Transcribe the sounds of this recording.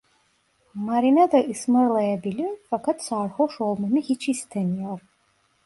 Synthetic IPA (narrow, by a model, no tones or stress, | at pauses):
maɾinad̪aʔismɨrlajabilifakʰatʰsaːrχʷoʂolˠmanɨhit͡ʃʰistʰanijar